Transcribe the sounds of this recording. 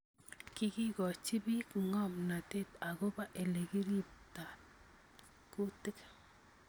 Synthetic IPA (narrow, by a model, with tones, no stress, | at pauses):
ki˦ki˦kɔ˨t͡ʃi˦bi˦kŋɔ˦mna˨te˦ta˨ɣo˦ba˦ʔe˨le˨ɡi˦ɾi˦p̚ta˨t | ku˦tɪ˦k